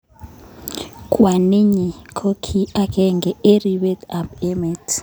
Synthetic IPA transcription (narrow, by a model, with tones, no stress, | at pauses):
kʼwa˨ni˦ɲi˨kʰo˦kʰi˦a˦kʰʼɛ˦ŋɡɛ˨e˦ri˨ɓɛ˦ta˨pɛ˦mɛ˨tʰ